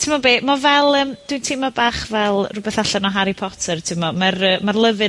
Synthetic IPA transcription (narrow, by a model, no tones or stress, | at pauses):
tʰɪmɔbeːmɔvɛlˠəːmd̥wintʰɪmɔbaːχvɛlˠrʊbɛθaɬanɔɦaɾipʰɔtʰərtʰɪmɔmarəmarlˠəvɨ